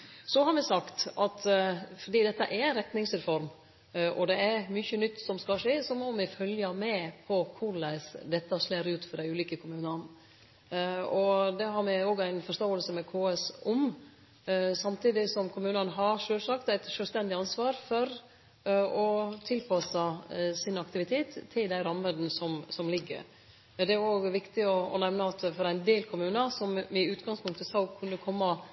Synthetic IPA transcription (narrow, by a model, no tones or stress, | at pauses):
sɔhɑɾmɛsɑkt̪ʔɑt̪fɔɖ̪iːd̪ɛt̪ːəʔæɾæɪnɾɛt̪nɪŋsɾɛfɔɾm | ʔɔd̪ɛæɾmʏçənʏt̪ːsɔmskɑʂeːsɔmɔmɪfœljəmɛpʰɔkʰʊɾlæɪsd̪ɛt̪ːɑʂleːɾʉːt̪fɔɾɖ̪æɪʉːliːkəkʰʊmʉːnɑn | ɔd̪ɛɦɑɾmɛoːɡæɪnfɔʂt̪oːəlsəmɛkʰoːɛsʊm | sɑmt̪iːd̪ɪsɔmkʰʊmʉːnənɦɑɾʂøːlsɑkt̪æɪt̪ʃøːlst̪ɛnd̪ɪɑnsʋɑːɾfɔɾ | ɔt̪ʰɪlpʰɑsəsɪnɑkt̪ɪʋɪt̪ʰeːt̪ʰːɪld̪æɪɾɑmːən̩sɔmsɔmlɪɡːə̰ɾ | d̪ɛæɾoːɡʋɪkt̪ɪɔɔ̰nɛʋnəɑt̪fɔɾæɪnd̪eːlkʰʊmʉːnɑsɔmɪʉːt̪ɡɑŋspʰʊŋkt̪əsɑʊkʰʉnːəkʰɔmːɑ